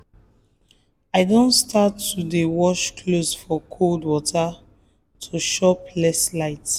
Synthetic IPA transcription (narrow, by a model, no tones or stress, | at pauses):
aɪdõntstʰatːudewɔʃkʰlosfɔkʰoldwɔta | tʰuʃɔplɛslaɪt